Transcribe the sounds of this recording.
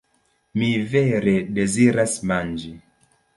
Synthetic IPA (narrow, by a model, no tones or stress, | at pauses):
miveɾede̞ziɾasmand͡ʒi